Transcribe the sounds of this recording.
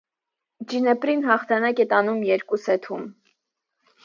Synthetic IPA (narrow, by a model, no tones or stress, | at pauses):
d͡ʒinɛpɾinɦɑχt̪ʰɑnɑkɛt̪ɑnumjɛɾkusɛt̪ʰum